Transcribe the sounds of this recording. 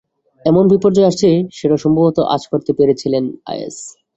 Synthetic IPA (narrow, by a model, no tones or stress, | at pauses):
ɛmonbipoɾd͡ʑɔeaʃt͡ɕʰeʃeɾaʃɔmbobʱot̪oʔa̰t͡ɕkoɾt̪epeɾet͡ɕʰilena̰jḛs